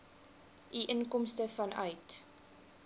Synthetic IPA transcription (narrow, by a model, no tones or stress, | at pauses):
ʔiʔənkɔmstəfɐnœ̰ɥt